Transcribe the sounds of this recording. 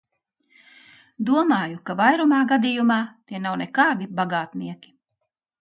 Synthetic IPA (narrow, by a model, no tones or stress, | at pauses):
d̪uɔmaːjukavajɾumaːɡad̪ijumɑːt̪iɛnawnɛkɑːd̪ibaɡaːt̪niɛkʲi̥